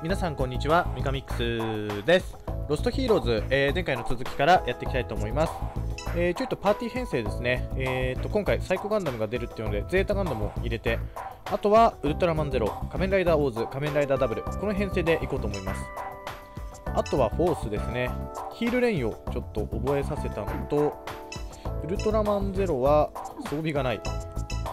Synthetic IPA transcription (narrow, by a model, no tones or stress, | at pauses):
mʲinasãŋko̞ɲ̟ːit͡ɕiβamʲikamʲikːɯ̟̥sɨd̪e̞sɨ̥ɾo̞sɨ̥t̪o̞çiːɾo̞ːzɨeːzeŋkaino̞t͡sɨzɨkʲi̥kaɾajat̪ːe̞kʲi̥t̪ait̪oːmo̞imasɨ̥eːt͡ɕoit̪ːopaːt̪ʲiːhẽ̞ɰ̃se̞ːd̪e̞sɨne̞ːt̪ːo̞kõ̞ŋkaisaiko̞ɡãnd̪amɯ̟ɡad̪e̞ɾɯ̟t̪ːeiɯ̟nod̪e̞d͡ze̞ːt̪aːɡãnd̪amo̞̰iɾe̞t̪e̞at̪o̞βaɯ̟ɾɯ̟t̪o̞ɾamãnd͡ze̞ɾo̞kamẽ̞nɾaid̪aːo̞ːzɨkamẽnɾaid̪aːd̪abɯ̟ɾɯ̟ko̞no̞ɦẽ̞ɰ̃se̞ːd̪e̞ʔiko̞ːt̪oːmo̞imasɨ̥ | at̪o̞βaɸo̞ːsɨd̪e̞sɨne̞kʲiːɾɯ̟ɾẽ̞ɰ̃o̞t͡ɕo̞t̪ːo̞ʔobo̞e̞sase̞t̪anot̪o̞ | ɯ̟ɾɯ̟t̪o̞ɾamãnd͡ze̞ɾo̞βaso̞ːbʲiɡanaḭ